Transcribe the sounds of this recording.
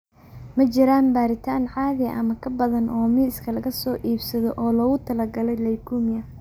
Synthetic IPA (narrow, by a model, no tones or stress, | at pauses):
mɐt͡ʃɪɾaːnbaːɾɪt̪ʰaːnʕaːðɛʔɐmɐkʰɐbɐðɐnʔɔːmiːskʰɐlɐɣɐsɔːʔiːbsɐðɔʔɔːlɔɣʊt̪ʰɐlɐɡɐlɛjlɐjkʰuːmɪjɐ